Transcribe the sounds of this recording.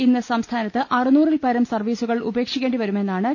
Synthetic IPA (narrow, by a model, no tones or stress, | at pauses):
inːɐsɐmst̪ʰaːnɐt̪ːɨʔɐrɨnuːrilpɐɾɐmsɐrʋiːsuɣɐɭṵbe̞ːkʂikʲːeːɳɖiʋɐɾume̞nːaːɳɨ